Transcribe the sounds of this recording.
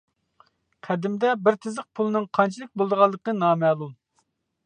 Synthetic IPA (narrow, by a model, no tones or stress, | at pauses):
qʰæd̪ɪmd̪ɛbɪɾt̪ʰɪzəq̚pʰulˠɨnɨŋqʰɑnt͡ʃʰilˠɨk̚ʲbolˠd̪əʁɑlˠːəqənɑːmɛlˠulˠ